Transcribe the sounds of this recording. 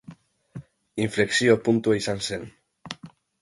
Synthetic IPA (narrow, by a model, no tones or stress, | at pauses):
iɱfleksiopunt̪uejsansen